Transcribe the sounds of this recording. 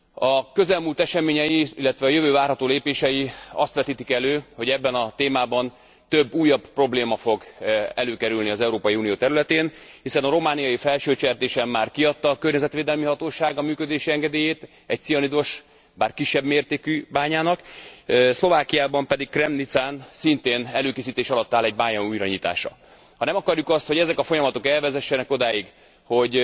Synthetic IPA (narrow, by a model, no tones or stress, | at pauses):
ɒkø̞zɛlmuːlt̪ɛʃɛmeːɲɛjiilːɛt̪ʋɛɒjø̞vøːvaːrɦɒt̪oːleːpeːʃɛjiɒst̪ʋɛt̪iːt̪ikɛløːho̞ɟɛbːɛnɒt̪eːmaːbɒn | t̪øbːuːjːɒbpro̞bleːmɒfo̞ɡɛløːkɛɾylniɒzɛuɾoːpɒjiuːnijoːt̪ɛɾylɛt̪eːnhisɛnɒɾo̞maːnijɒjifɛlʃøːt͡ʃɛrt̪eːʃɛmːaːrkiɒt̪ːɒːkørɲɛzɛt̪ʋeːd̪ɛlmiɦɒt̪oːʃaːɡɒmyːkød̪eːʃiɛŋɡɛd̪eːjeːt̪ | ɛc̚t̪sijɒnid̪oʃ | baːrkiʃːɛbmeːrt̪eːkybaːɲaːnɒk | slo̞vaːkijaːbɒmpɛd̪ikkrɛmnit̪saːnsint̪eːnɛløːkeːsiːt̪eːʃɒlɒt̪ːaːlɛɟbaːɲɒnuːjɾɒɲit̪a̰ːʃɒ̰ | hɒnɛmɒkɒrjukɒst̪ho̞ɟɛzɛkɒfo̞jɒmɒt̪o̞kɛlvɛzɛʃːɛnɛko̞d̪aːjiɡ | ho̞ɟ